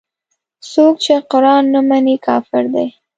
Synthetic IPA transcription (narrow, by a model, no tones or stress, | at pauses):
sok̚t͡ʃeqʊɾɑnːəmanikʰɑːfɪɾd̪aj